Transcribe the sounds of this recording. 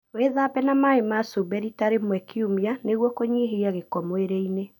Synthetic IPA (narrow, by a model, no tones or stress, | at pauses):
weðaːpɛnamaemasobɛɾitaɾemwɛkʰiumianeɣwɔkoɲiɦeɾiaɣekɔmoeɾeine